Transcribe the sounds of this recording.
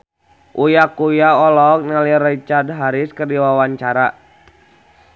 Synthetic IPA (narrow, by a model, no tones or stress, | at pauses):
ʔujakujaɔlɔk̚nalirit͡ʃard̚ɦaɾiskərdiwawaɲt͡ʃaɾa